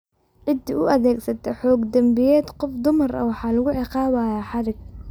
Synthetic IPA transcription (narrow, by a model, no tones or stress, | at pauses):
ʕɪd̪iʔʊʔɐðɛːɡsɐt̪ʰɛħɔːɡd̪ɐmbɪjɛːd̪qɔfd̪ʊmɐrɐ̰wɑħɑːlɐɣʊʕɪqɑːwaːjaːħɑɾɪɡ̚